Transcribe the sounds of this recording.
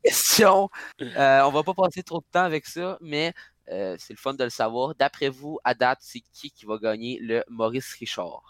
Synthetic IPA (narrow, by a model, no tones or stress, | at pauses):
kɛst̪jɔ̃øɔ̃vapɔpɑːset̪χod̪ət̪ɑ̃avɛksʌmɛ | øsɛləfɔnd̪ələsavwɑːʁd̪apχɛvuad̪at̪sekʲʰikʲivaɡɑːɲeləmɔʁɪsʁiʃɑ̰ːʁ